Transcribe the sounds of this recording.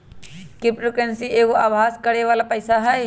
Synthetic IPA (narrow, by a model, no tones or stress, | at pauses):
kɪpɾokensieːkoʔaːbʱaːskəɽeʋaːlapəɪsaɦɛj